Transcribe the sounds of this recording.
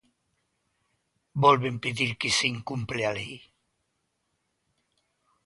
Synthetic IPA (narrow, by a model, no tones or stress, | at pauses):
bolβempeðiɾkisiŋkumpleali